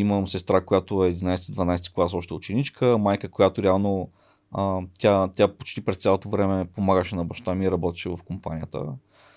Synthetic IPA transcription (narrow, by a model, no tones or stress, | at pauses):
iməsɛst̪ɾakojat̪oɛːd̪inajsɛ̥t̪id̪vɐnajsɛt̪i̥klˠasɔʃt̪ɛʊt͡ʃɛnit͡ʃkəmajkəkojat̪oɾɛalˠno | ət̪ʲat̪ʲapot͡ʃt̪ipɾɛssʲalˠot̪ovɾɛmɛpomaɡəʃɛnɐbɐʃt̪amiːɾɐbɔt̪i̥ʃɛvɐfkompa̰nʲijət̪ə̰